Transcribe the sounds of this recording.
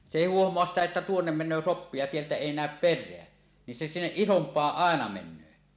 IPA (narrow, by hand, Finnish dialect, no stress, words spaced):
se eˑi huohmoɑs sitæ etːæ tuonːem menˑøː sopːi jɑ sieltæ eˑi næˑøp perˑeæ ni se sinːeʔ ʔisompˑɑːʔ ʔɑˑenɑ menˑøː